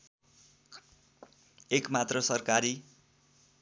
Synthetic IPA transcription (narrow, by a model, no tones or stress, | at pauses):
ekmat̪rʌsʌrkaɾi